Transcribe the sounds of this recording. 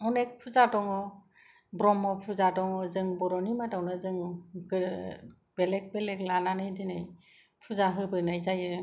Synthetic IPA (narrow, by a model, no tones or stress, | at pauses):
ɔnek̚pʰuzadɔŋɔ | bɾɔmɔpʰuzadɔŋɔzɯŋbɔɾɔnimatawnɯzɯŋɡɯ | b̥elek̚beleklananɯjdinaj | pʰuzaɦɯbɯnajzajɯ